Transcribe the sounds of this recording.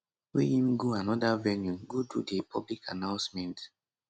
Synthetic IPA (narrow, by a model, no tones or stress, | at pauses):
wijĩmɡuanɔdavɛnjuɡududepʰɔblikanãʊ̃nsmɛ̃nt